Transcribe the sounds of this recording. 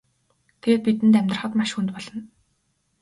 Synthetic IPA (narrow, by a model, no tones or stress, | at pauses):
t̪ʰeeːt̪̚pit̪ɘ̆nt̪̬æmʲt̪rə̆χə̆t̪maʃxunt̪̚pɔɮɞ̆n